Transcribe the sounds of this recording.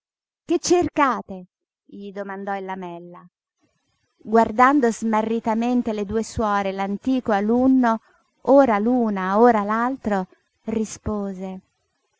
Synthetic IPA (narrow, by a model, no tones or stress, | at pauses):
ket͡ʃːerkaːt̪e | ʎid̪omand̪ɔilːamɛlːa | ɡward̪and̪ozmarːit̪ament̪eled̪uːeswɔːɾelant̪iːkoalunːo | oːɾaluːnaoːɾalalt̪ɾo | rispoːze